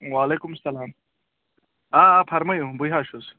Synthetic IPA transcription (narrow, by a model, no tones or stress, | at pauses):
waːleːkumsɐlaːm | aːapʰɐɾmɐjubujɦaːʃus